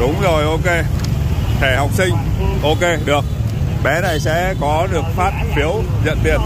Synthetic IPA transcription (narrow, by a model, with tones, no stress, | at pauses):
ɗʊ˨˦wŋ͡mzo˨˩jʔo˧ke˧ | t̪ʰe˧˩ha˨˩wk͡p̚sï˧ŋ̟ʔo˧ke˧ɗɨ˨˩ək̚ | ɓɛ˨˦na˨˩jsɛ̰˧˥kɔ˨˦ɗɨ˨˩ək̚faː˦˥t̚fi˨˦əw | zə̰˧˨nt̪ḭ˧˩ən